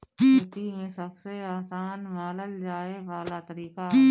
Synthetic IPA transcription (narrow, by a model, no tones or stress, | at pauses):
t̪imẽsɐbseaːsaːnmaːləld͡ʒaːeʋaːlat̪ɐɾiːka